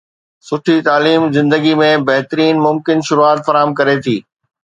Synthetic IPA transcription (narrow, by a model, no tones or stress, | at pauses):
sʊʈʰit̪aːliːmzɪ̃nd̪əɡimẽbɐɦt̪əɾiːnmʊmkɪnʃʊɾuaːt̪fɐɾaːɦəmkɐɾet̪ʰiː